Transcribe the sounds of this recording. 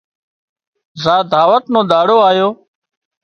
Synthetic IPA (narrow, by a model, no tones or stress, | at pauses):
zaːd̪ʱaːʋət̪nõːd̪aːɽoːaːjoː